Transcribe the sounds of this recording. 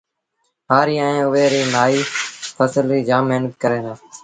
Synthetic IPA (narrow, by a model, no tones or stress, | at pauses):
ɦaːɾiːãːẽːʊʋeːɾiːnaːiːpʰəsəliːd͡ʒaːmeːnək̪̚kəɾeːnaː